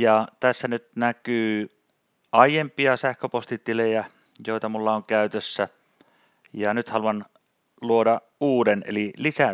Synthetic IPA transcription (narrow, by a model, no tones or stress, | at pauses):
jɑt̪æsːænyt̪nækyː | ʔɑijˑempiɑsæhkøpost̪it̪ilejæ | joˑit̪ɑmulːɑoŋkæyt̪øsːæ | jɑnyt̪hɑluɑn | luodɑ | ʔuːdenḛlilisæ